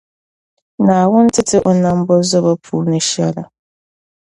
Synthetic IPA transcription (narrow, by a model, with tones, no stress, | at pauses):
nã˨a˨wʊ̃˦n̩˦tʰɪ˦tʰɪ˦ʔɔ˦nã˦m̩˦bɔ˦zɔ˦ba˦pʰuː˦ɾnʊ̃˦ɕi˦a˦la˨